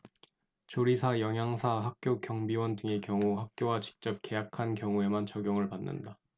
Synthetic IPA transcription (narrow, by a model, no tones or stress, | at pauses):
t͡ɕoɾisʰajʌŋjaŋsʰaɦak̚k͈jokjʌŋbiwʌndɯŋe̞kjʌŋuɦak̚k͈jowat͡ɕi̥k̚t͡ɕ͈ʌp̚k͈e̞jakʰankjʌŋue̞mant͡ɕʌɡjʌŋɯɭpanːɯ̰nda